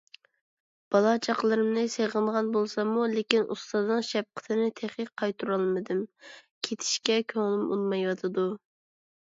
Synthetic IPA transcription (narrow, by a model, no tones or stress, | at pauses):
b̥ɑlˠɑt͡ʃʰɑqlˠɨɾɨmnɨseʁəɴʁɑnbolˠsɑmulekʲinʔṵst̪ɑznɨŋʃɛp̚qʰə̥t̪ʰɪnɪt̪ʰeχiqʰːɑjt̪ʰuɾɑlˠmɨd̪ɨmkʲʰet̪ʰɪ̥ʃkʲɛkʲʰøŋɪlymṵnˠmɑjwɑt̪ʰɨd̪u